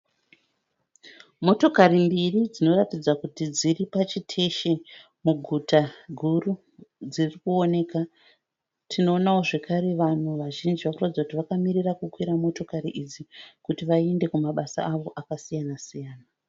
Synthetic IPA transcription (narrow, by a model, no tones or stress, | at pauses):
mo̞to̞karimbirid͡zino̞ratid͡zakutid͡ziripat͡ʃitʰe̞ʃe̞ | muɡʱutaɡʱuru | d͡zirikuo̞ne̞ka | tʰino̞ːnawo̞ʐe̞kʰaɾe̞ʋan̤uʋaʒind͡ʒiʋakuratid͡zakutiʋakamirirakukwiɾamo̞to̞kaɾiʔid͡zikutiʋaiende̞kumaɓasa̰ːʋo̞ʔakasijanasijaːna